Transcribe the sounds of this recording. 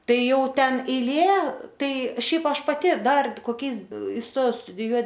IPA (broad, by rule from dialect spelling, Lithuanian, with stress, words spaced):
ˈtɐɪ ˈjɛʊˈtʲɛn ɛɪˈlʲeː ˈtɐɪ ˈʃʲɛɪp ˈɐʃ pɐˈtʲɪ ˈdɐr koːˈkʲɛɪs ɪsˈtoːjɛʊ stʊdʲɪˈjuɔ